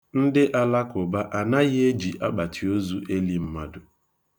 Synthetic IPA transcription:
n̩˦dɪ˦ʔa˦la˦kʊ˨ba˦ʔa˨na˦ɣɪ˦e˦d͡ʒi˨ʔa˦k͡pa˨tʰi˨o˦zu˦ʔe˦li˦m̩˦ma˦dʊ˨

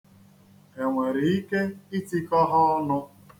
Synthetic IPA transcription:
e˨ŋʷe˨ɾi˨i˦ke˦i˦ti˦kɔ˦ɦɔ˦nʊ˦

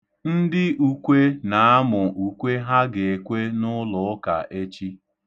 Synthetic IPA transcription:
n̩˦dɪ˦ʔu˨kʷe˦na˨a˦mʊ˨u˨kʷe˦ɦa˦ɡe˨e˨kʷe˦nʊ˦lʊ˨˦ka̰˨ʔe˦t͡ʃi˦

